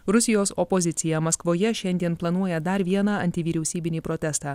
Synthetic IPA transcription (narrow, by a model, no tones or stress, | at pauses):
ɾʊsʲɪjoːsɔpɔzʲɪt̪sʲɪjɛmɐskʋoːjɛʃʲɛnʲd̪ʲiɛnplˠɐnuɔjɛd̪ɐɾʋʲiɛnɑɐnʲt̪ʲɪʋʲiːɾʲɛʊsʲiːbʲɪnʲiːpɾɔt̪ʲɛst̪ɑː